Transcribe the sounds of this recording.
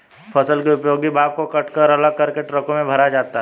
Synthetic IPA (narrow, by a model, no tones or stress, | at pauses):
pʰɐsəlkiʊpjoːɡibʱaːb̚kokɐʈkəɾɐləɡ̚kɐɾkeʈɾəkõmẽbʱɐɾad͡ʒaːt̪aɦ